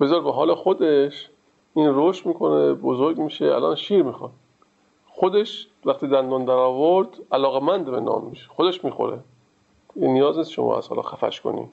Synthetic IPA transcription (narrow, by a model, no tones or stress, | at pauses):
b̥ezɒɾbeɦɒːlexod̪eʃ | iːnroʃt̪miːkʰo̞nebozoɾɡmiːʃeæ̰lʔɒ̰nʃiːɾmiːxɒn | xod̪eʃ | væxt̪iːd̪ænd̪ond̪æɾɒːvoɾd̪̥ælɒːɣemænd̪benɒ̰ːmːiʃe̥xod̪eʃmiːxo̰ɾḛ | inijɒːznisʃo̰mʔɒ̰ːæ̰shɒ̰lɒ̰ːxæfæ̰ʃko̰nḭː